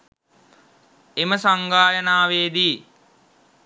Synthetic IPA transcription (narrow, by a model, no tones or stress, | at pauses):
eməsaŋɡaːjənaːʋeːd̪iː